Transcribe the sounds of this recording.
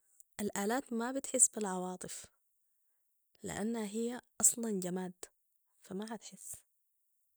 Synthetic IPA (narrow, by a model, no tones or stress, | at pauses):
ʔalʔaːlaːt̪mabɪt̪ħɪsːbɪlʕɑwɑːt̪ˤɨf | lɪ̰ʔa̰nːhaɦijːaʔɑsˤlɑnd͡ʒamaːd̪ | famaɦat̪ħɪsː